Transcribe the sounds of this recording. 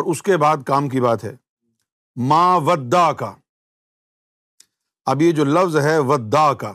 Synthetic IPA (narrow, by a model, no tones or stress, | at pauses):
ɔːɾʊskebaːd̪kaːmkibaːt̪ɦɛː | mãːʋɐd̪ːaːkaː | ɐbjed͡ʒoːlɐfzɦɛʋɐd̪ːaːkaː